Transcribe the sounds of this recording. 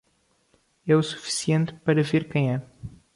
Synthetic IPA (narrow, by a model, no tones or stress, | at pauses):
ɛusu̥fi̥siẽnt̪pɐɾɐveɾkɐ̃j̃ɛ